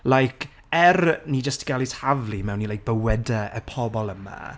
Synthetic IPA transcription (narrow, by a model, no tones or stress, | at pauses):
lajkʰ | ɛrniːd͡ʒəstɡ̥alˠishavlˠimɛwnːilˠajk̚b̥əwɛdaə̰pʰɔbɔlˠəma̰